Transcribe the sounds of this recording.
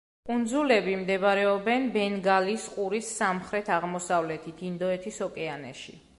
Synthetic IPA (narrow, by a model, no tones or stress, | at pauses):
kʼund̪zulɛbimd̪ɛβɾɛɔbɛnbɛnɡalisqʼuɾisːamχɾɛt̪ʰaʁmɔsavlɛt̪ʰit̪ʰind̪ɔɛt̪ʰisɔkʼɛanɛ̰ʃḭ